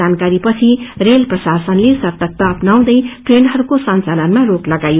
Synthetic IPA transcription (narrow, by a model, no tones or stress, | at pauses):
ankaɾipʌt͡sʰirelprʌsasʌnlesʌrt̪ʌk̚t̪ʌːpnaw̃d̪ʌjʈrenɦʌɾukosʌnt͡salʌnmaroklʌɡajo